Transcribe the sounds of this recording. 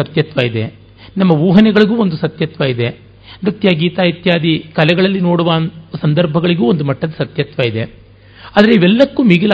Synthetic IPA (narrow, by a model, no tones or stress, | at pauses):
ɐt̪jɐt̪ʋɐid̪e̞̰ | nɐmːɐʋuːɦɐnɛɡɐɭiɡuːond̪usɐt̪jɐt̪ʋɐid̪e̞ | ɾɐt̪jaːɡiːt̪aːit̪jaːd̪ikɐlɛɡɐɭɐlːino̞ːɽuʋaːsɐnd̪ɐɾbʱɐɡɐɭiɡuːond̪umɐʈːɐd̪ɐsɐt̪jɐt̪ʋɐid̪e̞ | aːd̪ɐɾeiʋɛlːɐkːuːmiɡil